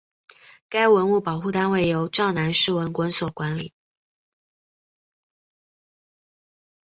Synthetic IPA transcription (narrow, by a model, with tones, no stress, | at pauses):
ka˥ɪwə˧˥nu˥˩pɑ˨˩ʊxu˥˩t̪a˥nwe˥˩ɪjo˧˥ʊʈ͡ʂɑ˥˩ʊna˧˥nʂɻ̩˥˩wə˧˥nkwə˧˥nswɔ˨˩kwa˧˥nli˨˩˦